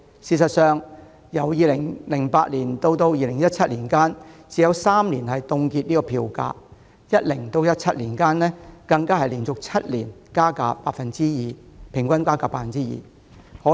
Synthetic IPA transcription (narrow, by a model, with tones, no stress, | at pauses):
siː˧˩sɐ˨t̚sœː˨ŋ | jɐ˨˩wjiː˨˧lɪ˨˩ŋlɪ˨˩ŋpaː˧t̚liː˨˩nt̪o˧wt̪o˧wjiː˧lɪ˨˩ŋjɐ˥t̚t͡sʰɐ˥t̚liː˨˩nkaː˥nt͡siː˨˧jɐ˨˧wsaː˥mliː˨˩nhɐ˨jt̪ʊ˧ŋkiː˧t̚niː˥kɔː˧pʰiː˧wka̰ː˧ | jɐ˥t̚lɪ˨˩ŋt̪o˧wjɐ˥t̚t͡sʰɐ˥t̚liː˨˩nkaː˥nnɛː˥kɐ˧ŋkaː˥hɐ˨jliː˨˩nt͡sʊ˨k̚t͡sʰɐ˥t̚liː˨˩nkaː˥ka̰ː˧pa̰ː˧t̚fɐ˨nt͡siː˥jiː˨˧pʰɪ˨˩ŋkʷɐ˥nkaː˥kaː˧˩pːaː˧˩fɐ˨nt͡siː˦˥jḭː˨˩ | hɔː˨˥